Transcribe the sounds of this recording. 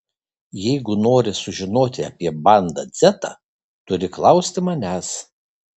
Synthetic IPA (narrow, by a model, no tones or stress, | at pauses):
jɛɪɡʊnoːɾʲɪsʊʒʲɪnoːt̪ʲɪɐpʲiɛbɐnd̪ɐzʲæt̪ɐ̰ | t̪ʊɾʲɪklˠɐʊsʲt̪ʲɪmɐnʲæs